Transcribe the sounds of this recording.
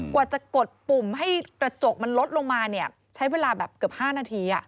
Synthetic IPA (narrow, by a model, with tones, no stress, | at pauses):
kwaː˨˩t͡ɕa˨˩ko˨˩t̪̚pu˨˩mɦa˥˩jkɾa˧t͡ɕo˨˩k̚ma˧nlo˦˥t̪̚lo˧ŋmaː˧ni˥˩ɐ | t͡ɕʰa˦˥jweː˧laː˧bɛː˨˩p̚kɯ˨˩p̚haː˥˩naː˧t̪ʰiː˧ʔa˨˩ʔ